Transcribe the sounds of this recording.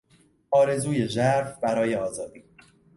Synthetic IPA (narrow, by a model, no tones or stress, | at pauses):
ɒːɾe̞zuːje̞ʒæɾfbæɾɒːje̞ɒːzɒːd̪iː